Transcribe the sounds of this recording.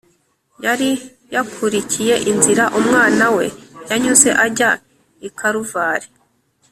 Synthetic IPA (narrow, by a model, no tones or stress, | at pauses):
jaɾi | jakʰuɾicʰije̞ʔinziɾaʔumŋaːnawe̞jaɲuze̞ʔaɾɟa | ikʰaɾuvaːɾe